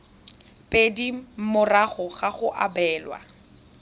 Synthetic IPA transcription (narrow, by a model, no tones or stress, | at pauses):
pʼedim̩mʊraχɔχaχʊʔabɛːlwa̰